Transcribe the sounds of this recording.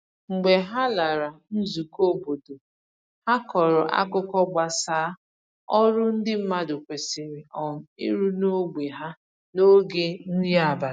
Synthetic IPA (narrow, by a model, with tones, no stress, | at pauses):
ŋ͡m̩˨ɡ͡be˨ɦa˦la˨ɾa˨n̩˦zu˨ko˦˨bo˨do˨ | ha˦kɔ˨ɾʊ˨ʔa̰˦kʊ˦kɔ˦ɡ͡ba˨saː˨˦ | ɔ˦ɾʊ˦n̩˦dɪ˦m̩˦ma˦dʊ˨kʷe˨sɪ˨ɾɪ˨ɔ˨m̩˨ḭ˦ɾu˦no˦ɡ͡bʷe˨ɦa˦ | no˦ɡe˦n̩˦dɪ˦a˨ba˨